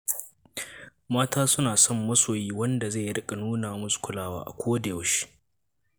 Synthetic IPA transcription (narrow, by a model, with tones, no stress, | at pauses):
maː˦taː˦sʊ˦naː˨sɔ˦˨mːɐ˦soː˨jiː˦wɐ˦nda˨za˦˨jɽɪ˦kʼa˨nuː˦naː˨mʊ˦sʼkʷʊ˨laː˦wa̰ː˦ʔa̰˨kʷʰoː˦da˨jo˨˦ʃi̥˦ʔ